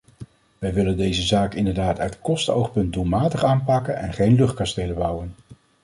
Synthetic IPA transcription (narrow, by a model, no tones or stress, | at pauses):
ʋɛjʋɪləndejzəzaːkɪndəɹdaːtœɥtkɔstəowχpɵnt̚dulˠmaːtəχaːnpɑkənɛ̰nχejnlɵχt̚kɑstejləbʌwən